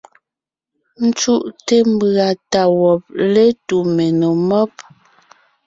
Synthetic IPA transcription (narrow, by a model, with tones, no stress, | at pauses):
n̩˦t͡ʃu˦ʔte˦m˦ba˨ta˨wɔ˨p̚le˦tu˨me˨no˨mɔ˦p̚